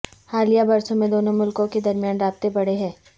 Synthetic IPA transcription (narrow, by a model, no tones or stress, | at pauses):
haːlijabɐɾsõmẽd̪oːnõmʊlkõked̪ɐɾmjaːnɾaːb̚t̪ebɐɽeɦɛ̃ː